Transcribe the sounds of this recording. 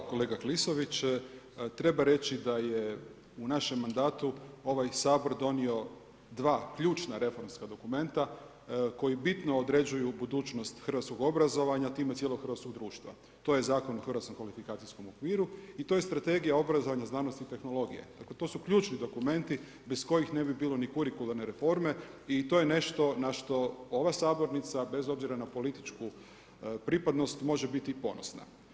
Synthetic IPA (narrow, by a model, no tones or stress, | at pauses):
ko̞leːɡakliso̞ʋit͡ɕ | t̪ɾe̞baɾe̞t͡ɕid̪aje̞ | unaʃemːand̪aːt̪uo̞ʋajsaːbo̞ɾd̪o̞nio̞ | d̪ʋaːkʎuːt͡ʃnaɾe̞fo̞ɾmskad̪o̞kume̞nt̪a | ko̞jibit̪no̞ːd̪ɾe̞d͡ʑujubud̪uːt͡ɕno̞st̪xɾr̩ʋat̪sko̞ɡo̞bɾazo̞ʋaɲat̪iːmet̪sjelo̞ɡxɾrʋat̪sko̞ɡ̚d̪ɾuːʃt̪ʋa̰ | t̪o̞ːje̞zaːkonoxrʋat̪komkʋalifikaːt̪isko̞mokʋiːɾuit̪o̞ːjest̪ɾat̪e̞ɡijao̞bɾazo̞ʋaɲaznaːnost̪it̪e̞xno̞lˠo̞ɡḭjḛd̪aklet̪oːsukʎuːt͡ʃnid̪o̞kume̞nt̪i | be̞sko̞jixne̞bibiːlo̞nikuɾikulˠaɾne̞ɾe̞fo̞ɾme̞it̪o̞ːjene̞ʃt̪o̞naʃt̪o̞o̞ʋasaːbo̞ɾnit̪sabe̞zo̞bziɾanapo̞lit̪i̥t͡ʃku | pɾipad̪no̞st̪mo̞ʒebit̪ipo̞nosna̰